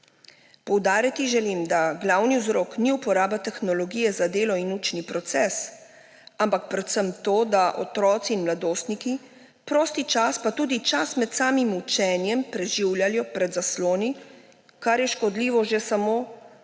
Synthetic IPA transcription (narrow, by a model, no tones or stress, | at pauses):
pɔwd̪aːɾjat̪iʒɛlimd̪aɡlawniwzɾoːkniupɔɾaːbat̪ɛxnɔlɔɡiːjɛzad̪eːlɔinuːt͡ʃnipɾɔt̪sɛːs | ampak̚pɾɛt̪səmt̪oːd̪aʔɔ̰t̪ɾɔːt̪siːnmlad̪oːst̪niki | pɾoːst̪it͡ʃaspat̪uːd̪it͡ʃasmɛt̪saːmimut͡ʃɛːnjɛmpɾɛʒiwljaljɔpɾɛd̪zasloːni | kaɾjɛʃkɔd̪liːʋɔʒesamoː